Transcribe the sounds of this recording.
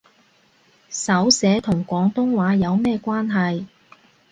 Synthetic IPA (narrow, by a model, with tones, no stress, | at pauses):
sɐ˨˥wsɛː˨˥t̪ʰʊ˨˩ŋkʷɔː˨˥ŋt̪ʊ˥ŋwaː˨˥jɐ˨˧wmɛː˥kʷaː˥nɦɐ˨j